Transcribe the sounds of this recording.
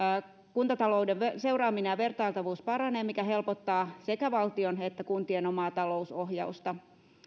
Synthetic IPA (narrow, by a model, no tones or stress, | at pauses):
kunt̪ɑt̪ɑlo̞udeʋese̞urɑːminejɑʋe̞rt̪ɑilt̪ɑʋuːspɑɾɑneːmmikæɦe̞lpot̪ːɑːse̞kæʋɑlt̪io̞net̪ːækunt̪ieno̞mɑːt̪ɑlo̞usoɦjɑust̪ɑ